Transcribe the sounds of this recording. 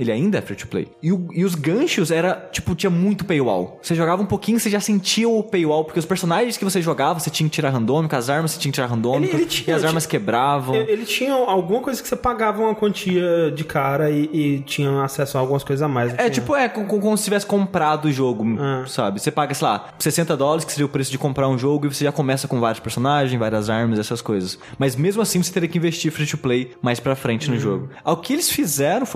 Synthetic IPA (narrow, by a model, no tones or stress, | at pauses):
elɪa̰ĩnd̪ɐɛ̰ɾfɾut͡ʃi̥plḛjɪʊɪʊzɡɐ̃ʃʊzɛɾɐt͡ʃi̥pʊt͡ʃĩɲɐmũj̃t̪ʊpejwa̰wseʒoɡavɐũpokĩɲʊseʒasẽɲt͡ʃiɐʊpejwawpoɾkeʊspeɾsonaʒẽskɪvos̬eʒoɡavɐset͡ʃĩɲɐkɪt͡ʃiɾaɾɦɐ̃nd̪õmɪkɐzaɾmɐse̥t͡ʃĩɐ̃kɪt͡ʃiɾaɾɦɐ̃nd̪õmikɐɪt͡ʃĩɐzaɾmɐskebɾavɐ̃w̃elɪt͡ʃĩɲɐawɡũmɐkojzɐkɪ̥sepaɡavɐũmɐkwɐ̃nt͡ʃiɐd͡ʒɪkʰaɾɐɪɪt͡ʃĩɲɐ̃asɛsʊawɡũmɐskojzɐzamajzɛt͡ʃipʊɛkõkõmkõmʊsɪ̥t͡ʃivɛsɪ̥kõmpɾad̪ʊʊʒoɡʊasabɪsepaɡɐsela̰ | sesẽnt̪ɐd̪ɔlɐɾɪskɪ̥seɾejʊpɾesʊd͡ʒɪkõpɾaɾũʒoɡʊɪvoseʒakõmɛsɐkõvaɾjʊspeɾsonaʒẽj̃szvaɾiɐzaɾmɐzɛsɐskojzɐsmɐzmezmʊasĩvoset̪eɾiɐkɪĩvest͡ʃiɾfɾẽt͡ʃʊplejmajspɾɐfɾẽnt͡ʃɪnʊʒoɡʊaʊkɪelɪsfizɛɾɐ̃w̃foj